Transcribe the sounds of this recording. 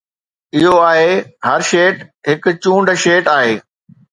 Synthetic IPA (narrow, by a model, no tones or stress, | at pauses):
ɪɦoaːɦeːɦɐɾʃeːʈɦɪkʊ̆t͡ɕũːɳɖʃeːʈaːɦeː